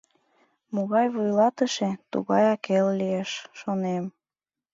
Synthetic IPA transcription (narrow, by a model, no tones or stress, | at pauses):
moɣɑjβujlɑt̪əʃet̪ṵɣɑjɑkellieʃʃonem